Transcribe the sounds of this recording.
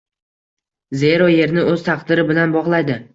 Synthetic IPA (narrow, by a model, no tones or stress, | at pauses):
ze̞ɾɒje̞ɾnɪɵz̥t̪ʰɑqd̪ɪɾɪbɪlanbɒʁlˠajd̪ɪ